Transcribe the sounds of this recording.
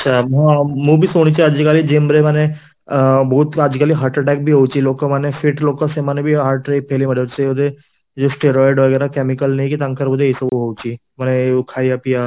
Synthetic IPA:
ətːʃʰamãmũbʱisoɽ̃it͡ɕiad͡ʑikalid͡ʒembɾemane | bəɦut̪ad͡ʑikaliɦaɾʈəʈɛk̚bʱiɦowt͡ʃilokəmanefʰiʈlokəsemanebʱiɦaːɾʈɾepʰeliməɽet͡ʃeod̪e | d͡ʒosʈeɾɔjɖɔɡɛɾakɛmikəlnajkit̪ãŋkəɾməd̪ʱeːsəbuɦowt͡ɕimaneukʰajapija

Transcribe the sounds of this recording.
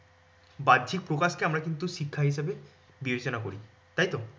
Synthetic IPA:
bad̪ʱik̚pɾokaskeamɾakint̪uʃikʰːaɦis̬abe | bibet͡ɕonakoɾi | t̪ajt̪o

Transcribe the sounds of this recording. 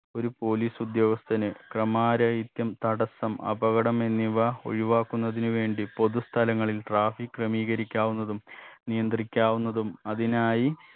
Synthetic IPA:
o̞ɾupo̞ːliːsud̪jo̞ːɡɐst̪ɐnɨkrɐmaːɾɐjit̪jɐmt̪ɐɽɐsɐmɐ̰bɐɣɐɽɐme̞nːiʋɐo̞̰ɻiʋaːkːunːɐðinuʋe̞ːɳɖipo̞ðust̪ʰɐlɐŋːɐɭilʈraːfikːrɐmiːɣɐɾikʲːaːʋunːɐðumnijɐnd̪rikʲːaːʋunːɐðumɐðinaːji

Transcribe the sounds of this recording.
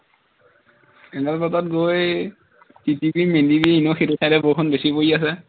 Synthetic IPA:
ɛɡalbɔtɔt̚ɡoj | titibimendibiinoxitutʰajɾɛbokʰɔnbesipojas̬ɛ

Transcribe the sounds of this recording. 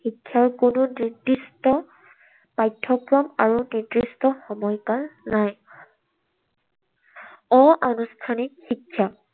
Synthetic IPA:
xikʰːjaɹkʊnʊnidistɔ | pajtʰːɔkɹɔmaɹuniɹdɹistɔxɔmɔjkaɹnaj | ɔ̃ʔanustʰanikxikʰːja

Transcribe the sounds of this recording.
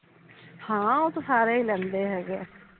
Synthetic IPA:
hãːot̪osaːɾeiːlɛ̃ːnd̪eːɦɛːɡeː

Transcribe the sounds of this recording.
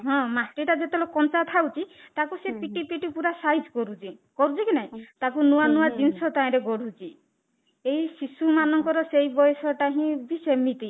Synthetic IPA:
ɦɔ̃masʈiʈad͡ʒet̪elɔkɔnt͡ʃat̪ʰawt͡ʃʰit̪akusepiʈipiʈipuɾasajd͡ʒkɔɾut͡ʃʰikɔɾut͡ʃʰikinaɦĩt̪akunuwanuwad͡ʒinsɔt̪aɛ̃ɾeɡɔɽ̤ut͡ʃʰi | ejsisumanɔŋkɔɾɔsejbɔjɔsɔʈaɦĩbisemit̪i

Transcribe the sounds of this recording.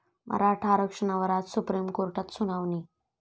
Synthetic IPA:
mʔɐ̰ɾaːʈʰaːɾokʂɐnɐʋɐɾaːt̪supɾiːmkoːɾʈɐt̪sunawni

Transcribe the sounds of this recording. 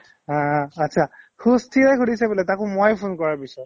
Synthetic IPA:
ãːtːsʰa | xustʰiajkʰudisabɛlɛtakʊ̃mojpʰunkɔɹaɹpisɔt

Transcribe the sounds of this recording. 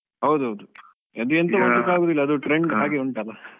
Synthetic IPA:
ɦɐwd̪uɦɐwd̪u | ɐd̪uent̪ɐʋɐd̪ukaːɡoːd̪ilːɐd̪uʈɾeɳɖɦaːɡiuɳʈɐlːa

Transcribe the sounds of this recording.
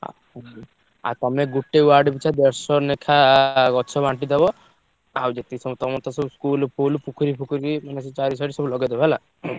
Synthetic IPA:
a̰ | a̰t̪ɔmeɡuʈːeuwaɾɖbit͡ʃʰad̪eɾsɔnekʰaɡɔt͡ʃʰɔbaɳʈid̪ebɔ | awd͡ʒet̪isɔmɔt̪ɔmɔt̪asɔbuskulpʰulpukʰuɾipʰukuɾimanes̬et͡ʃaɾis̬aɾisɔbulɔɡed̪ɔbɦela

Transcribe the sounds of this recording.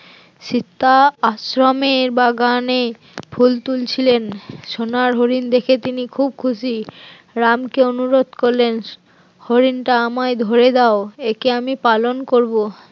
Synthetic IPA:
ʃit̪ːaaʃɾomeɾbaɡane | pʰult̪ult͡ɕʰilenʃonaɾɦoɾind̪ekʰet̪inikʰub̚kʰuʃi | ɾamkeonuɾod̪koɾlen | hoɾinʈaamaed̪ʱoɾed̪aoekeamipalonkoɾbo

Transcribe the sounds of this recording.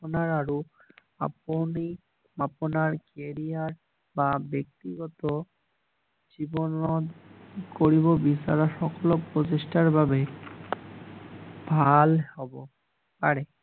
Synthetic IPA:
onaɾaɾu | a̰poni | maponaɾkeɾiaɾ | babek̚t̪iɡɔt̪o | d͡ʑibonod̪koɾibobisaɾaʃɔkolokpɾoteʃʈaɾbʱabe | bʱalhɔbo | paɾe

